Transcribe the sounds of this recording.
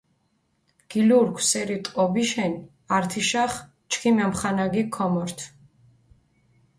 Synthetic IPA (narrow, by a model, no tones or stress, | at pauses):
ɡ̥iluɾɡʰwsɛɾit̪ʼɔbiʃɛn | aɾt̪ʰiʃaχ | t͡ʃʰkʰimɛmχanaɡikʰɔmɔɾt̪ʰ